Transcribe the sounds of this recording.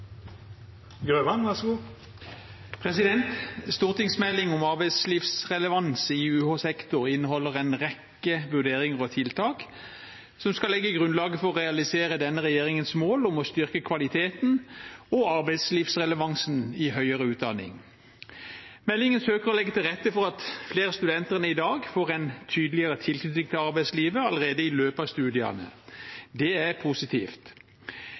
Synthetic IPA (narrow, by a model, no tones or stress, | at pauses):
ɡɾøːʋɑnʋæsɡu | pʰʁɛsɪd̪ɛnt̪st̪uːʁt̪ɪŋsmɛlːɪŋʊmɑʁbæɪsliːfsʁɛləʋɑnsɪʉːhoːsɛkt̪ʊʁɪnːəhɔlːəʁɛɪnʁɛkːəʋʉʁd̪eːʁɪŋəʁɔt̪ʰɪlt̪ʰɑːk | sɔmskɑlɛɡːəɡʁʉnlɑːɡəfɔʁɔʁɛɑlɪseːʁəd̪ɛnːəʁɛjeːʁɪŋənsmoːlʊmɔst̪ʏʁkəkʰʋɑlɪt̪ʰeːt̪nɔɑʁbæɪsliːfsʁɛləʋɑŋsnɪɦœʏəʁəʉːt̪̚d̪ɑnɪ̰ŋ | mɛlːɪŋənsøːkəʁɔlɛɡːət̪ɪlʁɛt̪ːəfɔɾɑt̪fleːʁəst̪ʉd̪ɛnt̪əʁnəɪd̪ɑːɡfoːʁɛnt̪ʰyːd̪lɪəɾət̪ʰɪlknʉt̪ɪŋt̪ʰɪlɑʁbæɪsliːʋəɑləʁeːd̪əɪløːpɑʋst̪ʉːd̪ɪɑ̰nə̰d̪ɛæʁpʰusɪt̪ʰḭːft̪